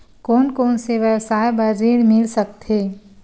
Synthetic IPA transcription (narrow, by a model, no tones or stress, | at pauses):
koːnkoːnseʋjəwsaːjbəɾd͡ʒiɽmɪlsək̚t̪ɦeː